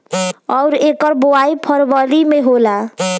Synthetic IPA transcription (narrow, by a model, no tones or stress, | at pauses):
ʌwɾekʌɾbowajpʰʌɾbʌlimeɦola